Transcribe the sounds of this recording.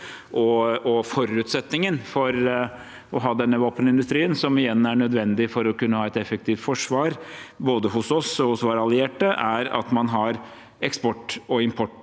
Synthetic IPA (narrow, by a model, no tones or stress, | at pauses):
ʔɔɔfɔɾʉːt̪sɛt̪nɪŋənfɔɾ | ɔɦɑːd̪ɛnːəʋɑːpənɪnd̪ʉst̪ɾiːənsɔmɪjɛnːæɳœd̪ʋɛnd̪ɪfɔɾɔkʉnːəhɑːɛt̪ɛfəkt̪ʰiːft̪fɔʂʋɑːɾboːd̪əɦʊsɔsɔhʊsʋɑːɾɑlɪeːʈəʔæɾɑ̰t̪mɑnɦɑɾ | ɛkspɔʈːɔɪmpʰɔʈ